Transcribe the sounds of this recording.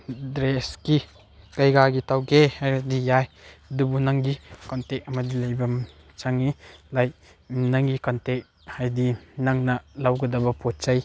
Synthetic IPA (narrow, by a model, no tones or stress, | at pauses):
dɾeski | kɐjɡaɡitʰawɡehajdijajdubunaŋɡikɔntek̚ɐmɐdilɐjbɐm | t͡ʃaŋilaj | naŋɡikɔntek̚ | hajdinaŋnɐlawɡɐdɐbɐpʰot̚t͡ʃaj